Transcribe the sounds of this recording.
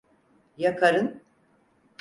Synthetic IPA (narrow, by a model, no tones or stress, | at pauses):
jakʰaɾɯn